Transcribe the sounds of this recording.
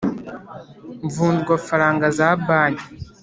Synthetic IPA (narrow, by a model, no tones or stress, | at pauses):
ɱvuːndɡwafaɾaːŋɡazabaːɲi